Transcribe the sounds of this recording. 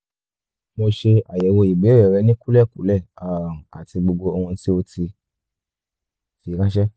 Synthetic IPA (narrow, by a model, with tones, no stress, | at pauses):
mo˧ʃe˧a˨jɛ˨wo˧i˨ɡ͡be˨˦ɾɛ˦˨ɾɛ˨˧˦nĩ˦ku˦lɛ˦˨kṵ˨˦lɛ˦˨a˨a̰˨ti˧ɡ͡bo˧ɡ͡bo˧o˧hũ˧˦ti˦o˧ti˧ | fi˨˧˦kã˦ʃɛ˦